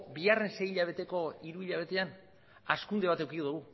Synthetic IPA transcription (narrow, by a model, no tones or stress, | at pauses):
biare̞nse̞jiʎaβ̞e̞t̪e̞ko̞iɾuiʎaβ̞e̞t̪e̞an | askund̪e̞β̞at̪ewkikoðuɣ̞u